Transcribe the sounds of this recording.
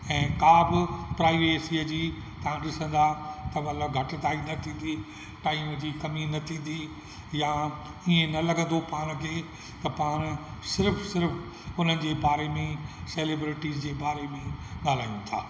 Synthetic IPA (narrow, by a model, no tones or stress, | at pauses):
ɛ̃ːkaːbɪpɾaːiʋeːsiəd͡ʑiː | t̪ɐɦãɗɪsə̃nd̪at̪ɐmɐt̪ləbɡʱɐʈɪt̪aːinɐt̪ʰĩːnd̪i | ʈaːɪmd͡ʑiːkɐminɐt̪ʰĩːnd̪i | ja | iẽnɐlɐɡʱə̃nd̪opaːñkʰeː | t̪ɐpaːñsɪɾfsɪɾf | ʊn̤ənɪ̆d͡ʑeːbaːɾemẽseːlebɾɪʈiːzd͡ʑeːbaːɾemẽɠaːl̤aːiũt̪ʰa̰ː